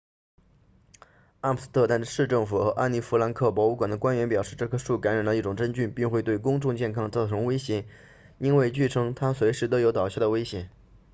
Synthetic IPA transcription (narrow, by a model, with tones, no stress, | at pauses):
a˥˩pʰs̩˥t̪ʰɤ˥˧t̪a˥˧nʂɻ̩˥˧ʈ͡ʂɤ˥˩ŋfu˨˩xɤ˧˥ʔa̰˥˩ni˥˩fu˧˥la˧˥nkʰɤ˥˩pwɔ˧˥u˧˥kwa˨˩nd̪ə˦kwa˥nɥɛ˧˥npjɑ˨˩ʊʂɻ̩˥˧ʈ͡ʂɤ˥˩kʰɤ˥ʂu˥˩ka˧˥nɻa˨˩nlə˦i˥˩ʈ͡ʂʊ˨˩ŋʈ͡ʂə˥nt͡ɕy˥˩npi˥˧ŋxwe˥˧ɪt̪we˥˩ɪkʊ˥ŋʈ͡ʂʊ˥˧ŋt͡ɕjɛ˥˩nkʰɑ˥˧ŋt͡sɑ˥˩ʈ͡ʂʰɤ˧˥ŋwe˥ɪɕjɛ˧˥ | i˥nwe˥˧ɪt͡ɕy˥˩ʈ͡ʂʰɤ˥ŋt̪ʰa˥swe˧˥ɪʂɻ̩˧˥t̪ɤ˧˥jo˧˥ʊt̪ɑ˨˩ɕjɑ˥˩d̪ə˩we˥ɪɕjɛ˨˩˦n